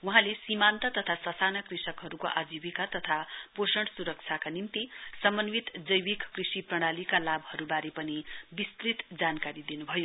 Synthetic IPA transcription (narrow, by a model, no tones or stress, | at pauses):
wuɦãlesimant̪ʌt̪ʌt̪ʰasʌsanʌkrisʌkɦʌɾukoʔad͡ziwikat̪ʌt̪ʰaposʌɳʈsuɾʌk̚t͡sʰakanimt̪isʌmʌnwit̪d͡zʌjwikkrisiprʌɽ̃alikalabʱhʌɾubaɾepʌnibist̪rit̪d͡zankaɾid̪inubʱʌjo